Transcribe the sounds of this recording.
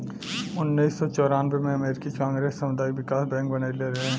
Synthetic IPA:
ʊnːiːsːɔt͡ʃɔːɾaːnbemẽɐmeːɾɪkikãːŋɡɾeːsːɐmʊd̪aːiʋɪkaːsbɛ̃ːŋk̚bɐnaːeleɾɐɦeɦɛ̃ː

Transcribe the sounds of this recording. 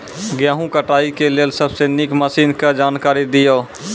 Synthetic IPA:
ɡjãːɦũkəʈaːikeleːlsəbseːnɪkməsiːnkad͡ʒaːnkaːɾid̪ɪjoː

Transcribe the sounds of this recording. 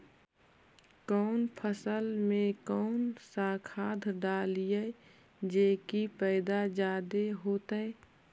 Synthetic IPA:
kɔːnpʰəsəlmẽkɔːnsaːkʰaːd̪ʱɖaːlijə | d͡ʒeːkipɛːd̪ad͡ʒaːd̪eɦoːt̪əe

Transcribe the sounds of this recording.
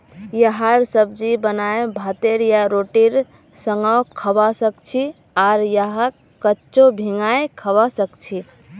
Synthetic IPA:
jəɦaɾsəbd͡ʒibənaebʱat̪eɾjaɾoʈiɾ | səŋawkʰəbasəkt͡ʃʰi | aɾjəɦa | kət͡ʃobʱiŋajkʰəbasəkt͡ʃʰi

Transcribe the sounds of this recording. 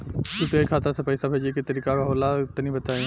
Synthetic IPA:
sup̪eikʰaːt̪ɾsepːɪsabʱeːd͡ʒekit̪əɾiːkakaɦoːlaɪt̪nĩbət̪aːĩ

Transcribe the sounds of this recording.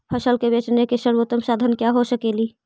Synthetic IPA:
pʰəsəlkebet͡ʃnekeʃəɾwot̪əmsaːd̪ʱənkjaɦosəkeːli

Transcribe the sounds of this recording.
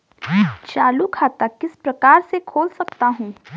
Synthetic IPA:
t͡ʃaːlukʰaːt̪akɪspɾɐkaːɾsekʰoːlsɐk̚t̪aɦũː

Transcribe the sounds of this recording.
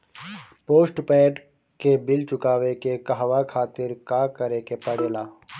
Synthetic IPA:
poːsʈpɛːʈ | kebɪlt͡ʃʊkaːwekekaɦʋakʰaːt̪ɪɾkaːkɐɾekepɐɽelaː

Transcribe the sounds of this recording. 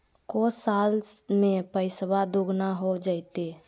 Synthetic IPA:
kosaːl | mẽpəɪsbad̪uɡnaɦod͡ʒaɪt̪e

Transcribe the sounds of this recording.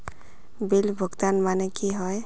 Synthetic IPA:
bilbʱɔɡt̪anmanɛkiɦɔj

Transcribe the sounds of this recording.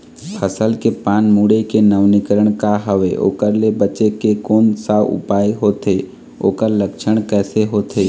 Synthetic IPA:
pʰəsəlkepaːnmuɽekenəʋnɪkəɾəɽ̃kaɦəʋeʔo̰ːkəɾlebət͡ʃekekoːnsaʊ̰paːeɦoːt̪eː | o̰ːkəɾləkʃʰəɽ̃kɛːseɦoːt̪ʰeː

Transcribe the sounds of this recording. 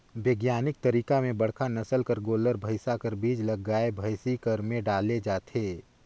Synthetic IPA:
ʋeːɡjaːnɪk̚t̪ɐɾiːkamẽbɐɽ̤kʰanɐsəlkɐɾɡoːləɾbʱəɪsakɐɾbiːd͡ʒlɐɡaːebʱəɪsikɐɾmẽɖaːled͡ʒaːt̪ʰeː

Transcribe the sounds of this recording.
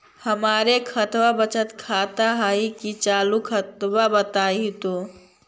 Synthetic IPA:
həmaːɾekʰət̪wabət͡ʃət̪kʰaːt̪aɦaikit͡ʃaːlukʰət̪wabət̪aːit̪o

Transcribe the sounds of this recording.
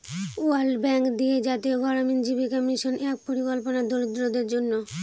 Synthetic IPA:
ualbɛŋkd̪ied͡ʑat̪ioɡɔɾomend͡ʑibikɔmiʃonɛk̚poɾikolponad̪oɾud̪ɾod̪eɾd͡ʑonːo

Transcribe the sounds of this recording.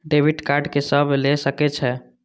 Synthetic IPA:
ɖebʱiʈkaɾɖkesəblesəkɛt͡ʃʰɛ

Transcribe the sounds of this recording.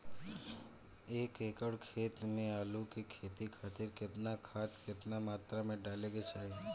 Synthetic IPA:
ekekəɽkʰet̪nealũkekʰet̪ikʰat̪ɪɾket̪nakʰat̪ket̪namat̪ɾamẽɖaleɡet͡ʃʰaj

